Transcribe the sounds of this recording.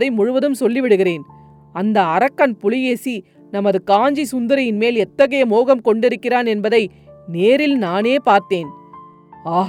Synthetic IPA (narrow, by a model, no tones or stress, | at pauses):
ðɐɪmʊɻʊʋɐðɯmsɔlːɪʋɪɽɯɣɪreːn | ɐnd̪ɐːɾɐkːɐnpʊlɪjeːsi | nɐmɐðɯkaːɲd͡ʒisʊnd̪ɐɾɐjɪnmeːlɛt̪ːɐɣɐjɐmoːɣɐmkɔɳɖɪɾɯkːɪraːnɛnbɐðɐɪ | neːɾɪlnaːneːpaːɾt̪eːn | aːɦ